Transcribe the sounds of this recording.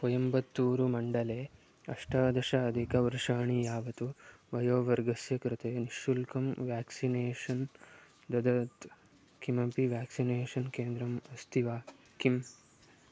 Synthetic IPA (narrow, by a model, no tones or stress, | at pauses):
pɔjɐmbɐt̪ːuːɾumɐɳɖɐleː | ɐʂʈaːd̪ɐʃɐːd̪ʱikɐʋuɾʂaːɳijaːʋɐt̪uʋɐjoːʋɐɾɡɐsjɐkɾɪt̪eːniʃulkɐmʋjaːksineːʂɐn | d̪ɐd̪ɐt̪ | kimɐpiʋjaːksineːʂɐnkeːnd̪ɾɐmɐst̪ʰiʋaː | kim